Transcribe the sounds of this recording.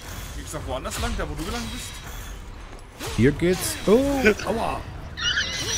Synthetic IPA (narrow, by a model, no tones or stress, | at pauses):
ɡ̥ɪksɔfvoːandɐslaŋd̥aːvoduːɡəlaŋbɪst | hiɡɪtsʔooa̰